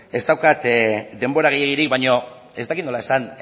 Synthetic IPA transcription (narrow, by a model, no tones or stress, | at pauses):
e̞zt̪awkat̪d̪e̞mbo̞ɾaɣejeɣiɾikbaɲo̞ | e̞zt̪akit̪nolae̞san